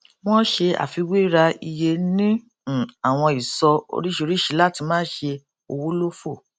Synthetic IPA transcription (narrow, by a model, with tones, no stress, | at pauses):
w̃ɔ̃˦ʃe˧a̰˨fi˧we˦i˦ɾa˧i˧je˧nĩ˦˨ | a˨w̃ɔ̃˧i˨sɔ˧o̰˧ɾi˦ʃo˧ɾi˦ʃi˨˧˦la˦ti˧mãː˦ʃe˧ | o˧wo˦lo˦fo˦˨